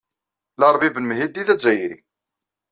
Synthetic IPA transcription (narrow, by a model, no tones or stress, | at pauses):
lɑɾˤvibənmɦid̪iðæzæjɾḭ